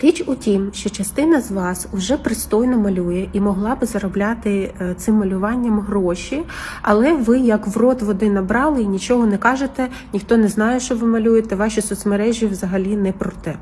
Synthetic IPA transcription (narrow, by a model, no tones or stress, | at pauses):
ɾʲit͡ʃʊtʲimʃt͡ʃɔt͡ʃɐst̪ɪnɐzʋɑsʊʒɛpɾɪst̪ɔjnɔmɐlʲujɛʔimɔɦlˠɑbɪzɐɾɔblʲat̪ɪt̪sɪmːɐlʲʊʋɑnʲːɐmɦɾɔʃʲiɐ̰lˠɛʋɪjɐkʋrɔt̪ʋɔd̪ɪnɐbɾɑlˠɪinʲit͡ʃɔɦɔnɛkɑʒet̪ɛ | nʲixt̪ɔnɛznɑjɛʃt͡ʃɔʋɪmɐlʲujet̪ɛʋɑʃisɔsmɐɾɛʒʲjiʋwzɐɦɐlʲinɛpɾɔt̪ɛ